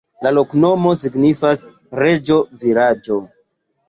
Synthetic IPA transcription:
lalo̞kno̞mo̞siɡnifas | ɾe̞d͡ʒo̞viɾad͡ʒo̞

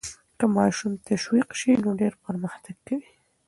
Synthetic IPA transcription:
kəmɑʃumt̪aʃwiqʃinoɖeɾpəɾməxt̪aɡkawi

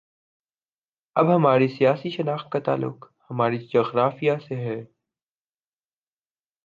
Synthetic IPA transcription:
ɐbɦɐmaːɾisijaːsiʃɐnaːxt̪̚kat̪a̰ːlːʊ̰q | hɐmaːɾid͡ʒɐɣɾaːfijaseɦɛː

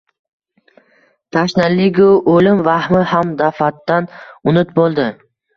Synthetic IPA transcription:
t̪ʰaʃnɪlːɪɡʲʊʔolɪmvahmɪhamd̪afat̪ːanʊnɪt̪̚bolˠd̪ɪ

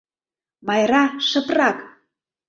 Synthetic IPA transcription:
mɑjɾɑʃə̆prɑk

